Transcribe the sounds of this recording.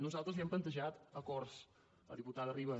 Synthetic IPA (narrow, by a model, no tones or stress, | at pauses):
nuzalˠt̪ɾəziɛmplənt̪əʒat̪əkɔɾs | ə̰ðiput̪aðəriβə